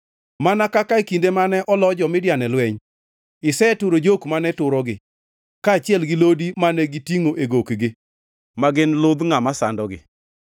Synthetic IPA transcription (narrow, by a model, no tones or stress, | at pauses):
manakakaekindemanɛʔɔlɔd͡ʒɔmɪdjanɛlwɛɲ | ɪsɛtʊɾod͡ʒokmanɛtʊɾɔɡɪ | kaːt͡ʃɪɛlɡɪlodimanɛɡɪtiŋoʔeɡokɡɪ | maɡɪnlʊd̪ŋamasa̰ndɔɡɪ̰